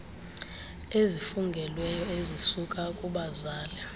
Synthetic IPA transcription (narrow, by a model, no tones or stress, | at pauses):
ezifuŋɡʱɛlwɛjɔezisukʼakʼuɓazaːlɛ